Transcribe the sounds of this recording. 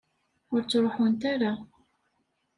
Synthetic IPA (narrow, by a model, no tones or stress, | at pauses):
ʊɾt͡sːɾˤoħʊnt̪aɾa